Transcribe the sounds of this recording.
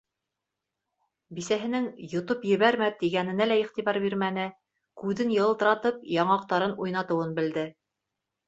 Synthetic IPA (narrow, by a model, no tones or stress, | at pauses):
bisæɦɘ̆nɘŋjŏt̪opjɘ̆βæɾmæt̪iɡænɘ̆nælæiχt̪iβɑɾbiɾmænɘ | kʉðɘnjɤ̆lˠt̪ɤ̆ɾɑt̪ɤp̚jɑɴɑq̚t̪ɑɾɤnujnɑt̪ɤ̆wɤnbɘ̆ld̪ɘ